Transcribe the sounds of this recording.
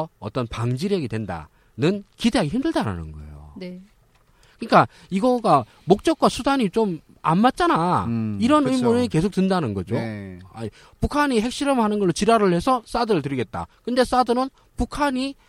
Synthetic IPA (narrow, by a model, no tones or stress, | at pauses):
ʌʌ̰t͈ʌnpaŋd͡ʑiɾjʌɡidwenda̰ | nɯnkide̞ɦaɡeçimdɯɭdaɾa̰nɯ̰nɡʌḛjo̰ne | kɯɲik͈a | iɡʌɡa | mok̚t͡ɕ͈ʌk̚k͈wasʰudaɲit͡ɕom | a̰nmːat̚t͡ɕ͈anaiɾʌnɯimunɯke̞sʰok̚t͈ɯndanɯnɡʌd͡ʑoa̰ | pukʰaɲihe̞k̚ɕ͈iɾʌmɯɭhanɯnɡʌɭːot͡ɕiɾaɾɯɭhe̞sʰʌs͈adɯɾɯɭt̬ɯɾiɡe̞t̚t͈a̰kɯnde̞s͈adɯnɯn | pukʰaɲi